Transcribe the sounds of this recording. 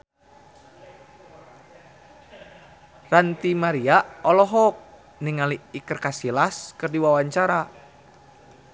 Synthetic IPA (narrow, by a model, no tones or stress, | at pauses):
rant̪imaɾiaɔlɔɦɔk̚ | niŋaliːkərkasilaskɨrdiwawaɲt͡ʃaɾa